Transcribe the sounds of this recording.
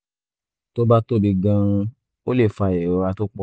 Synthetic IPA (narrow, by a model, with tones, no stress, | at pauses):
to˦ba˦to˦˨bi˧ɡã˧ɾũ˧ | o˦le˦˨fa˧˨ɛ˨ɾɔ˨˧wa˧to˦k͡pɔ˧